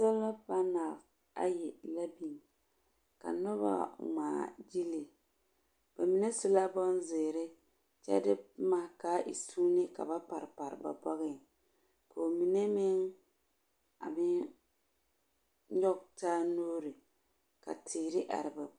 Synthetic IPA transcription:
sɛ˦lːa˦pa˦na˨f | a̰˦jɪ˨la˦bi˨ŋ | ka̰˨nɔ˦ba̰˦ŋ͡ma̰ː˨d͡ʒi˦li˨ | b̥a˨mi˨ne˦sʊ˦la˦bɔ˦n˦zɪ˨ɾɪ˦ | t͡ʃɛ̰˦dɪ˦ma˨ka˦ʔḭ˨suː˦nɪ˦ka̰˨ba˦pa˨ɾɪ˨pa˨ɾba̰˨bɔ˦ɣɪ˦˨ | ko˨mi˨ne˦mɪ˦ŋ | a̰˨mɪ˦ | ɲɔ˦ɡtaː˦noː˦ɾɪ˨ | ka̰˨tɪ˨ɾɪ˦ʔa̰˨ɾɪ˨ba˨

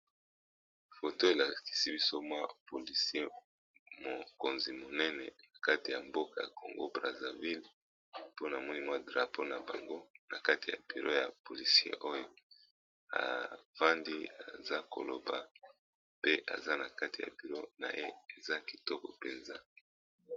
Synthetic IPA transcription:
fo˨to˦e˨la˨ki̥˨si˦bi˦so˦mwa˦po˨li˨si˦e˦ | mo˨ko˨nzi˨mo˨nɛ˦nɛ˨na˨ka˦ti˨ja˨mbo˦ka˨ja̰˨ko˨ŋɡo̰˦bʁa˨za˨vi˦l | po˦na˨mɔ˦ni˦mwa˦dʁa˨pʰo˦na˨ba˨ŋɡo˦na˨ka˦ti˨ja̰˨b̥i˨lo˦ja˨po˨li˨si˦ḛ˦ʔo˦jo˦ | a̰˨va˦ndi˦a̰˨za˦ko̰˨lo˨ba̰˨ | pe˦ʔa̰˨za˦na˨ka˦ti˨ja̰˨bi˨lo˦na̰˨ʔḛ˦e˨za˦ki˨tɔ˦kɔ˨pe˨nza˦

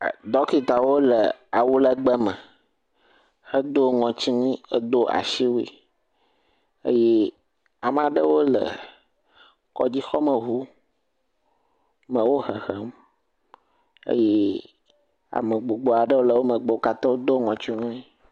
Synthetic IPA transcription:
d̪ɔ˦ki˨t̪a˨wo˦lə˨a˨wu˦lə˦ɡ͡bə˦mə̃˨ | hə˦d̪o˦ŋɔ̃˨t͡ɕi˦ŋĩ˦ə̰˦d̪o˦ʔa̰˨ʃi˦wḭ˦˨ | ə̰˦je˦ | a˨m˦ã˨ɖə˦wo˦lə̰˨ | kɔ̰˦d͡ʑi˦xɔ˦mə̃˨ɦu˦ | mə̃˨wo˦hə˨xə˦m | ḛ˦je˦ | a̰˨mə˨ɡ͡bo˨ɡ͡bo˨a˨ɖə˦wo˦lə˨wo˦mə̃˨ɡ͡bo˨o˦ka˦t̪ɔ̃˦wo˦d̪o˦ŋɔ̃˨t͡ɕi˦ŋũ˦i˦

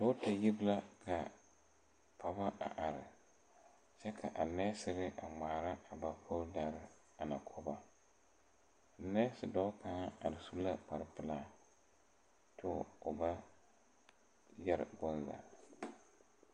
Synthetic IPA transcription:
dɔ˦ta˨ji˦bla˦kʰa˨ | pʰa˨ba˦ʔa̰˨ʔa˨ɾɪ˨ | t͡ʃɛ˦kʰa̰˨ʔa˨nɛː˦sɪ˦ɣɪ˦ʔa˨ŋ͡maː˨ɾa˦a˨ba˨pʰo˦lda˨ɾɪ˦ | a˨na˨kʰɔ˦ba˦ | a˨nɛ˦sɪ˨dɔ˦ka˨ŋa˦a˨ɾɪ˨su˦bla˦k͡pa˨ɾɪ˦pɪ˦laː˦˨ | tʰʊ˦˨ʊ˨ba˦ | jɛ˦ɾɪ̰˨ɡʊ˦nza̰˨

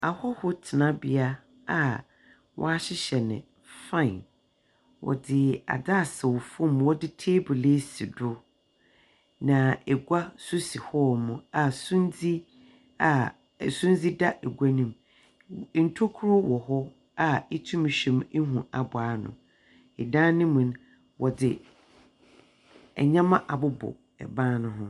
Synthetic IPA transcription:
a˨hɔ˦hʊ˦tʰɪ˨nã˦bɪ˦a˦ | a˨ | wʔɔ̰˦a˦ɕɪ˦ɕɛ˨nɪ̰̃˨ | fã˦˨n | wɔ̰˨dɪ˦a̰˨daː˦˨sɛ˨wɔ˨fʊ̃˦˨mwɔ˦dɪ˦tʰeː˦bʊ˨le˦si˨dʊ˦ | nã˨ɛ˨ɡʷa˦sʊ˦si˨hɔ˦˨mũ˨a˨sũ˦n˦d͡zi˦ | a˨ | sʊ̃˦n˦d͡zi˦da˦ʔɛ˨ɡʷa˦nĩ˨m˦ | n̩˨tʰo˦kʰʊ˦ɾʊ˦wɔ˨hɔ˦ | a˦˨ɛ˦tʰũ˦mĩ˨ɕᶣĩ˦m̩˦ɦũ˨a˨bʊ˨aː˨˦nʊ̰̃˨ | ɪ˨dã˦nĩ˦mũ˨n | wʔɔ˨dɪ˨ | ɛ̰˨ɲã˦mã˦ʔa˨bʊ˦bʊ̰˨ | ɛ̰˨bãː˦nʊ̃˨ɦʊ̃˦

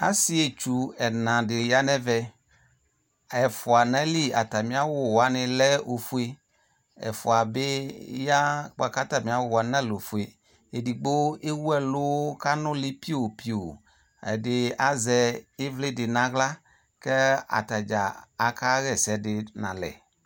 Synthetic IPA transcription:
a̰˦si˦e˨t͡ʃu˨ɛ˨nã˨dɪ˨ja˦nɛ̃˦vɛ˦ | ɛ˨fʊ˨a˨nɛ̃˦li˦a̰˨t̪a˨mĩ˦a˦wʊ˦wa˦nɪ̃˨lɛ˦o˨fu˦e˦ | ɛ̰˨fʊ̰˨a˨be˦ja˦k͡pa˨ka˦t̪a˨mĩ˨˦a˦wʊ˦wa˨nã˦lo˨fu˨e˨ | e˨di˨ɡ͡bo˦e˦wu˦ɛ˦lʊ˦ka˦nʊ̃˦lɪ˦pi˦o˨pi˨˦o̰˨ | ɛ̰˨dɪ˨a˦zɛ˨e˦vle˦dɪ˨nã˨ɣla˦ | kɛ˦a̰˨t̪a˨d͡ʒa̰˨a˨ka˦ɣɛ˦˨sɛ˨dɪ˨nã̰˨lɛ̰˨

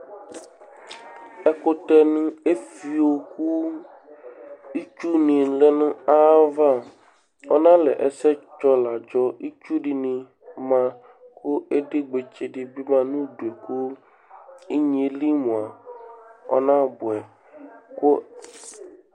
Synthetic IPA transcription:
ɛ˦kʊ˦t̪ɛ˦nʊ̃˦e˦fi˨wo˨ku˦ | i˦t͡ʃu˦nĩ˨le˦nʊ̃˦a˦va˦ | ɔ˦nã˦lɛ˨ʔɛ˨sɛ˦t͡ʃɔ˦la˨d͡ʒɔ˦i˦t͡ʃu˦ɖɪ˨nĩ˨ | mã˦ | kʰʊ˦e˦dɪ˦ɡ͡be˨t͡ʃe˨dɪ˨bi˦mã˦nũ˦du˨e˨ku˦ | i˦ɲ˦˨e˨li˦mũ˨a˨ | ɔ̰˦nã˦bʊ˨ɛ˨ | kʊ˦

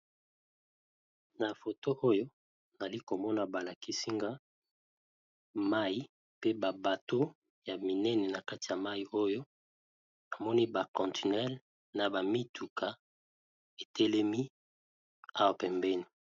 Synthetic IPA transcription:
na˨fo˨to˦ʔo˦jo˦ | n˨a˨li˦ko˨mɔ˦na˨ba˨la˨ki˨si˦ŋɡa˦ | ma˦ji˦ | pe˦ba˨ba˨to˦ | ja˨mi˨nɛ˦nɛ˨na˨ka˦ti˨ja˨ma˦i˨o˦jo˦ | a˨mɔ˦ni˦ba˨kɔ̃˨nti˨nɛ˦l | na˨ba˨mi˦tʰu˨kʰa˨ | e˨tʰɛ˦lɛ˦mi˦ | a˦wa˨pɛ˨mbɛ˦ni˨

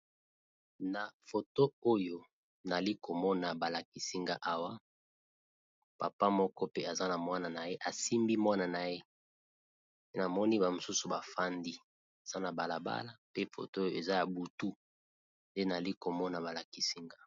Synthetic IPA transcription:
na˨fo˨to˦o˦jo˦ | na˨li˦ko˨mɔ˦na˨ba˨la˨ki˨si˦ŋɡa˦ʔa˨wa˦ | pa˨pa˦mɔ˦kɔ˦pe˦a˨za˦na˨mwa˦na˨na˨je˦ʔa˨si˦mbi˦mwa˦na˨na˨je˦ | e˦na˨mɔ˦ni˦ba˨mo˨su˦su˨ba˨fa˦ndi˦ | a˨z̥a˦na˨ba˨la˨ba̰˦la˨pe˦fo̰˨to˦o˦jo˦˨e˨za˦ja˨bu˨tu˦ | nde˦na˨li˦ko˨mɔ˦na˨βa˨la˨ki˨si˦ŋɡa˦

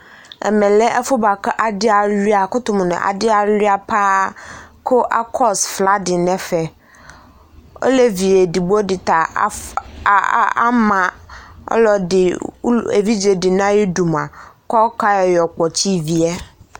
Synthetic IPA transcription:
ɛ̰˨mɛ̃˨lɛ˦ʔɛ˦fʊ˦ba˨kɛ˦ʔa˨dɪ˦a˨li˦a˨kʊ˦t̪ʊ˦m̃˨nɛ̰̃˨ʔa̰˨dɪ˦a˨li˦a˨pa˦ | kʰʊ˦ʔa̰˦kʰɔ˦sfla˦dɪ˨nɛ̃˦fɛ˨ | o̰˦le˦vi˨e˨di˨bo˦dɪ˨t̪a˨˦ | a̰˦mã̰˨˦lɔ˦dɪ˨˦ḛ˨vi˦d͡ʒe˨dɪ˨nã˦ji˦du˨ma˨kɔ˦ka˦jɔ˨jɔ˨k͡pɔ˨t͡ɕi˦vi˨ɛ˦

